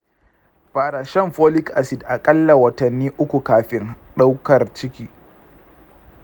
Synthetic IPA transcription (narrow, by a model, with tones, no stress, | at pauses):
ɸaː˨ɾaː˨ʃɛ˦mɸoː˦lɪ˦kʔa˨sɪ˨dʔa˨kʼɐ˦lːa˨wɐ˨tɐ˨nːiː˦ʔʊ˦kʷu˨kaː˨ɸɪ˦n | ɗa˦wkɐ˨rt͡ʃɪ˦kʲiː˦